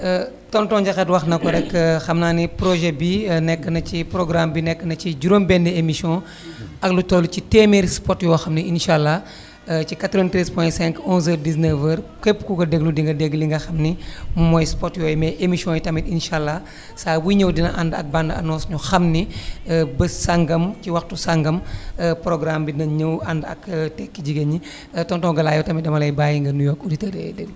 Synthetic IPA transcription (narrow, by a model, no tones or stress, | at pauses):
tɔntɔnɟɐxɐtwɐxnɐkɔɾɛkːxɐmnaːnipɾɔʒɛbinɛkːənɐcipɾɔɡɾambinɛkːənɐt͡ʃiɟuɾombɛndɛemisiɔ̃ | ɐklutɔlːucitɛːmiɾspɔtjɔːxɐmniinʃalːɐ | cikatɾɔʋɛntɾɛspɔjɛ̃nsɛ̃ŋkɔ̃nzədis̬nəvəɾkepːkuɡɐdeɡludiŋɡɐdeɡliŋɡɐxɐmnimumɔjspɔtjɔːjmɛʔemisijɔ̃jitɐmitinʃalːɐ | saːwiɲəwdinɐʔandɐ̰k̚bandɐ̰nɔ̃nsɲuxɐmni | bəsaŋɡɐmciwɐxtusaŋɡɐmpɾɔɡɾambinɐɲəwandɐ̰ktɛkːiɟiɡɐɲi | tɔntɔ̃ɡɐlaːjɔtɐmidɐmɐlɐjbajiŋɡɐrnujɔkuditɐɾɛ̰dɛɡlu